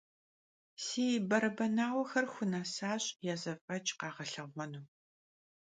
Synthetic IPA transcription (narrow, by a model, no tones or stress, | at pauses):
siːjbɐɾɐbɐnaːwʷɐxɐrxʷʊnaːsaːɕʼjaːzɐfʼɐt͡ʃʼqɑːʁɐɬɐʁʁʷɔnuː